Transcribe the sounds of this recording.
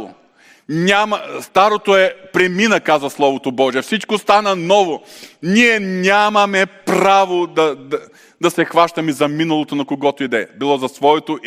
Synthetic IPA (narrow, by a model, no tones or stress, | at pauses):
o̰ | nʲamɐst̪aɾot̪oɛpɾɛminəkazvɐslˠɔvot̪obɔʒiɛfsit͡ʃkost̪anɐnɔvonʲiɛnʲamɐmɛpɾavod̪ɐd̪ | d̪ɐsɛxvaʃt̪ɐmizɐminɐlˠot̪onɐkoɡɔt̪oid̪ɛbilˠɔzɐsvɔɛt̪oʔ